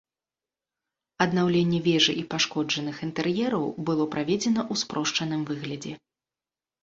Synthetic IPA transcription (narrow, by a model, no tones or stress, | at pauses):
ɐd̪nawlʲɛnʲːɛvʲɛʐɨʔipaʂkɔd͡ʐɐnɨxint̪ɛrjɛɾɐwbɨlˠɔpɾavʲɛd͡zʲɛn̪ɐʔuspɾɔʂt͡ʂɐnɨmvɨɣlʲɐd͡zʲɛ